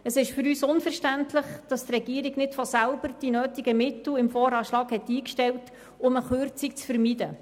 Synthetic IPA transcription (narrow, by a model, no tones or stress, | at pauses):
əsɪʃfʏɾyːsʊnfərʃtæntʰlɪχd̥ɑst̪rɛɡ̥iəɾɪɡnɪtfɔsælb̥əɾd̥inøːtiɡəmɪtl̩ɪmfɔːɾɑːʃlɑːkhɛtːiːkʃtɛlt | ʊməχʉrt͡sik̚t͡sfəɾmidə